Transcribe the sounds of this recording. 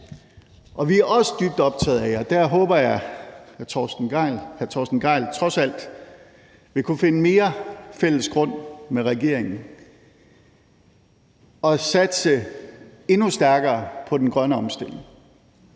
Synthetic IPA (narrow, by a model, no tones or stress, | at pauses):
ʔɒ̽ʋiæɐɒ̽sə̥d̥yb̥̚d̥ɒ̽b̥̚t͡sʰɛ̰ːð̩ˠæɪɒ̽d̥æɐɦɔ̽ːb̥ɐjɑɪhæt͡sʰɒsd̥n̩̥ɪlhæɐt͡sʰɒːsd̥n̩ɡ̥ɑ̈ɪlt͡sʰʁɒ̽sæl̰d̥ | ʋe̝kʰufe̝nəme̝ːɐfel̰əsɡ̥ʁɔ̽n̰meʁɛɡ̥e̝ɐ̰e̝ŋn̩ | ɒ̽sæd̥sə | e̝nusd̥æɐɡ̥ɐːpʰɒ̽d̥enɡ̥ʁɶnəɒ̽msd̥e̝l̰e̝ŋ